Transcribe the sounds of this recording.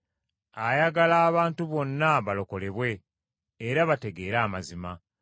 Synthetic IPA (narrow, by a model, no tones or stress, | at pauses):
ajaɡalaːβaːntuβo̞nːaβalo̞ko̞le̞βwe̞ː | ɾaβate̞ɡe̞ːɾaːmazima